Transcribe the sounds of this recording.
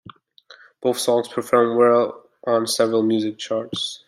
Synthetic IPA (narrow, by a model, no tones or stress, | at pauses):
b̥oʊθsɔ̃ŋz̥pʰɹ̥əfɔ̃ɹmwɛlˠ | ʔə̃nsɛvɹəl̩ˠmjʉzɨk̚t͡ʃʰɑɹts